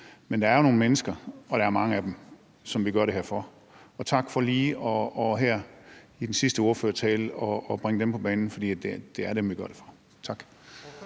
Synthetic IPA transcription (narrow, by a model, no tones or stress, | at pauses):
mend̥ɑ̈ɐjono̝ːn̩menəsɡ̥ɐʔɒ̽ɾ̥ɑ̈æɐmɑ̈ŋəæd̥em | sɒ̽mʋiɡ̥ɶɐɾeeɐfɒ | ɒ̽t͡sʰɑ̈ɡ̥fɒ̽liːɒ̽ɒɦæɐ̰id̥ensisd̥əoːɐfø̰ɐt͡sʰɛːlɒːb̥ʁeŋəd̥empʰɒ̽b̥ɛːnn̩fɒ̽d̥ḭːæd̥e̝d̥e̝æɐɾ̥emʋiɡ̥ɶɐɾ̥e̝fɒ̽ | t͡sʰɑ̈ɡ̥